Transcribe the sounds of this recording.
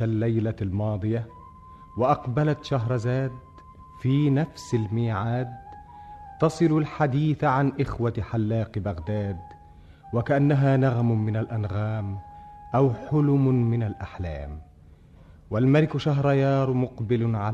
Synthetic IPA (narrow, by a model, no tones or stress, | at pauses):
alːajlalmɑːd̪ˤɨja | waʔɑqbalat̪ʃaɦɾˤɑzaːd̪ | fiːnafsalmiːʕaːd̪̚ | t̪ɑsˤɨlʊlħad̪iːθʕanʔɪxwaħalːɑːqbaɣd̪aːd̪ | wakaʔanːaɦaːnaɣmmɪnalʔanɣaːmʔawħʊlʊmmɪnalʔaħla̰ːm | walmalɪkʃaɦɾˤɑjɑːɾˤmʊqbɪlʊnʕa